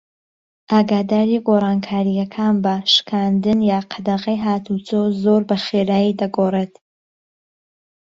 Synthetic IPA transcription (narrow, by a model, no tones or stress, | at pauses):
ʔaːɡaːd̪aːɾiɡoːrˤɑːnkʰaːɾijɐkʰaːnbɐʃkʰaːnd̪ɨnjaːqʰɐd̪ɐʁɐjɦaːt̪ʰut͡sozoːɾbɐxeːɾaːjid̪ɐɡoːreːt̪